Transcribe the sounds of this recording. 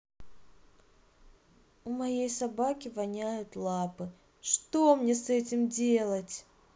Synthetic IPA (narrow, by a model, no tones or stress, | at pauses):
ʊmɐjejsɐbakʲɪvɐnʲæjʊt̪lˠapɨ | ʂt̪omnʲe̞sɛtʲɪmdʲe̞lˠətʲ